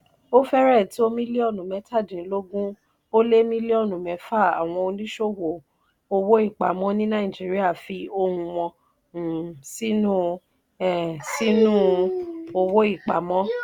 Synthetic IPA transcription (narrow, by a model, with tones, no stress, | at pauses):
o˦fɛ˦ɾɛ˦˨ti˨˦o˦mĩ˦le˦ɔ˦˨nũ˨mɛ̃˨˦tʰa˦˨dĩ˨˦lo˦ɡũ˦ | o˦le˦mĩ˦le˦ɔ˦˨nũ˨mɛ̃˨˦fa˦˨a̰˨w̃ɔ̃˧o˧nĩ˦ʃo˦wo˨ | o˧wo˦i˦˨k͡pa˨mɔ̃˦nĩ˦nã˦ĩ˨d͡ʒi˨˦ɾi˦a˦˨fi˧o˧hũ˧w̃ɔ̃˧˨ | si˦nũ˦ | ɛ˨si˦nũ˦o˧wo˦i˦˨k͡pa˨mɔ̃˦